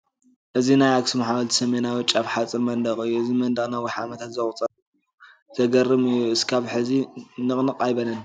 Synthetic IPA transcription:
ʔɨzinajaksɨmaħawɐlt̪i̥sɐmenawɨt͡ʃʼaβħat͡sʼɨnmɐnd̪ɐχʼɨjːuɨzimɐnd̪ɐɣʼnawiħa̰mɐt̪ʰat̪zɐχʼut͡sʼɐɾ | u | z̥ɐɡɐrːɨmɨjːuɨskʰaβħɨzinɨχʼnɨqʼajbɐlɐn

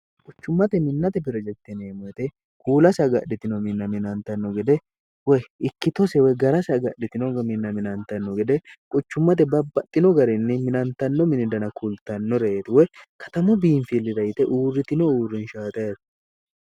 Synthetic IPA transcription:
kʼʊt͡ʃːʊmːɐt̪ɛmɪnːɐt̪ɛbɪɾɔd͡ʒɛt̪ːɛneːmɔɛt̪ɛ | kuːlɐsɐɡɐ̰ɗɪt̪ɪnɔmɪnːɐmɪnɐnt̪ɐnːɔɡɛd̪ɛ | wɛɪkːɪt̪ɔsɛwɛɡɐɾɐsɐɡɐɗɪt̪ɪnɔɡmɪnːɐmɪnɐnt̪ɐnːɔɡɛd̪ɛkʼʊt͡ʃːʊmːɐt̪̬ɛbɐbːɐt̪ʼːɪnɔɡɐɾɪnːɪmɪnɐnt̪ɐnːɔmɪnɪd̪ɐnɐkʊlt̪ɐnːɔɾet̪wɛkʰɐ̥t̪ɐmʊbiːnfilːɪɾɐjɪt̪ɛʔuːrːɪt̪ɪnɔuːrːɪnʃaːt̪ɐjɐt̪

